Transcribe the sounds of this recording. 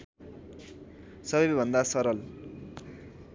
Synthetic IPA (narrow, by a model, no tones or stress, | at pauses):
sʌbʌbʱʌnd̪asʌɾʌl